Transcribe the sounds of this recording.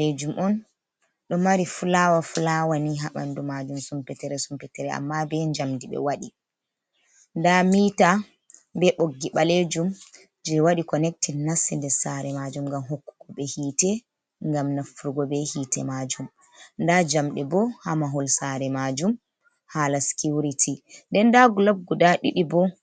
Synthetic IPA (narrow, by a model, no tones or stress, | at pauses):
led͡ʒumʔɔn | ɗɔmaɾifulawafulawaniɦaɓa̰ndumad͡ʒumsumpɛtɛɾɛsumpɛtɛɾɛa̰mːabɛɲd͡ʒamdiɓɛ̰waɗi | ndamiːta | bɛɓoɡːiɓaled͡ʒum | d͡ʒɛwaɗikɔnɛk̚tinːasːindɛsaɾɛmad͡ʒumŋɡamɦokːu̥kːuɓɛhiːtɛ | ŋɡamnafuɾuɡɔbɛhiːtɛ̰mad͡ʒum | ndad͡ʒamɗɛbɔhamaɦɔlsaɾɛmad͡ʒum | halaskiuɾitʰindɛndaɡulab̚ɡudaɗiɗibɔ